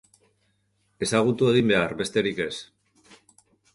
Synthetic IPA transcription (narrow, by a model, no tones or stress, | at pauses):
e̞saɣ̞ut̪ue̞ɣimbe̞aɾβe̞st̪e̞ɾike̞s